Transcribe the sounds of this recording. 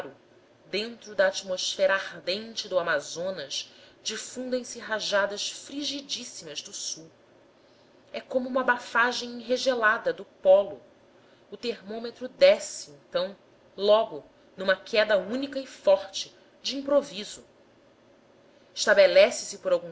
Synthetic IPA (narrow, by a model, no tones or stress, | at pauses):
ɾʊ | d̪ẽnt̪ɾʊd̪ɐːt͡ʃmosfɛɾɐaʁd̪ẽnt͡ʃɪd̪ʊamazõnɐʃd͡ʒifũnd̪ẽj̃sɪɦaʒad̪ɐsfɾiʒid͡ʒisimɐzd̪ʊsuw | ɛkõmʊũmɐbafaʒẽj̃ĩɦeʒelad̪ɐd̪ʊpɔlʊ | ʊt̪eɾmõmet̪ɾʊd̪ɛsɪẽnt̪ɐ̃w̃ | lɔɡʊ | nũmɐkʰɛd̪ɐũnikɐɪfɔχt͡ʃɪ | d͡ʒiĩmpɾovizʊ | ɪʃt̪abelɛsɪsɪpoɾawɡũ